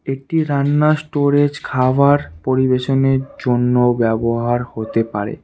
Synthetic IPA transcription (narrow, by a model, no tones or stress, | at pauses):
eʈiɾanːasʈoɾed͡ʑkʰawaɾpoɾibeʃoneɾd͡ʑonːobɛboɦaɾhot̪epa̰ɾḛ